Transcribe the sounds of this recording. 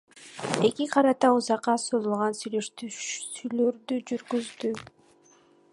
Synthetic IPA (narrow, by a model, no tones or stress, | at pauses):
e̞kiqʰɑɾɑt̪ɑuzɑqːɑsolˠulˠʁɑnsyjløʃt̪yjløɾd̪yd͡ʒyɾɡyzd̪y